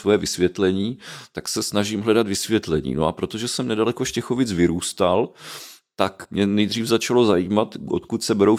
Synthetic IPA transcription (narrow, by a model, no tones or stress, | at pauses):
vojɛvɪsvjɛt̪lɛɲiːt̪aksɛsnaʒimɦlɛdat̪vɪsvjɛt̪lɛɲḭːnoʔapɾo̞t̪o̞ʒɛsɛmnɛdalɛko̞ʃcɛxovɪt͡svɪɾuːst̪alt̪akmɲɛnɛjd̪r̝iːfzat͡ʃalo̞zajiːmat̪ʔo̰t̪kut̪sɛbɛɾow